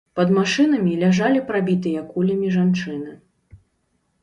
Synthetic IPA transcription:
pɐd̪maʂɨn̪ɐmʲilʲaʐalʲipɾabʲit̪ɨjɐkulʲɐmʲiʐant͡ʂɨnɨ

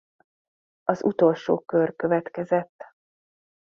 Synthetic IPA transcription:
ɒzṵt̪o̞lʃo̰ːkørkø̞vɛt̪kɛzɛt̪ː

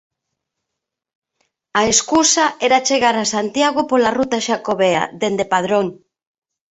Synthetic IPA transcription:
aeskusaɛɾat͡ʃeɣaɾasant̪jaɣʊpolarut̪aʃakoβea̰ðend̪epaðɾoŋ

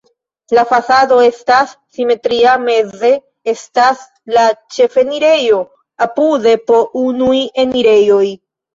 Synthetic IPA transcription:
lafasado̞e̞stasːime̞tɾiame̞ze̞ | e̞stas | lat͡ʃe̞fe̞niɾe̞jo̞ | apude̞po̞unujeniɾe̞jo̞j

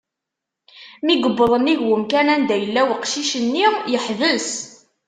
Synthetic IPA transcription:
miɡəbːəðˤəniʝwəmkænænd̪æjəlːæwəqʃiʃənːijəħvəs

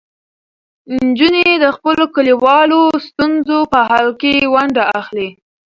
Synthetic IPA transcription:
nd͡ʒuned̪əxpəlokəliwɑlost̪unzopəɦɑlkewaɳɖaaxli

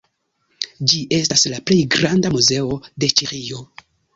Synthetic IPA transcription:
d͡ʒiʔe̞staslaple̞jɡɾandamuze̞o̞de̞t͡ʃiɾio̞

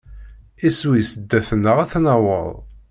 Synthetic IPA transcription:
iswijsəd̪ːæθnːəʁæθnəwə̰ðˤ

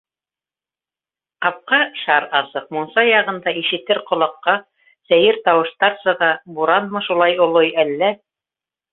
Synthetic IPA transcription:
qɑp̚qɑʃɑɾɑsɤq̚munsɑjɑʁɤ̆nd̪ɑiʃɘ̆t̪ɘɾqŏlˠɑqːɑ | sæjɘɾt̪ɑwɤ̆ʃt̪ɑɾsɤ̆ʁɑbuɾɑnmɤʃulˠɑjŏlˠojælːæ

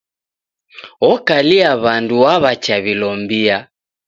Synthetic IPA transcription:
ɔkaliaβanduwaβat͡ʃaβilɔmbia

